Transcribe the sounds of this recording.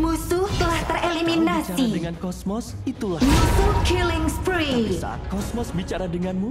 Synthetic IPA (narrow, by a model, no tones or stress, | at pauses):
musut̪əlaht̪ərʔeliminasidəŋankɔsmɔs | it̪ulamusukilɪŋspɾisa̰a̰t̪̚kɔsmɔsbit͡ʃaɾadəŋanmu